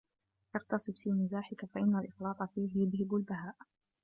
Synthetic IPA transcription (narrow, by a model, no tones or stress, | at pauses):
ʔɑqt̪ɑsˤɨd̪ˤfiːmɪzaːħɪkafaʔɪnːalʔɪxlɑːt̪ˤɑfiːhjʊðhɪbalbaɦaːʔ